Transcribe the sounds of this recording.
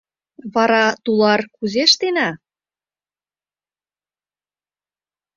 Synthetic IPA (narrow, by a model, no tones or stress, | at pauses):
βɑɾɑt̪ulɑrkuzeʃt̪enæ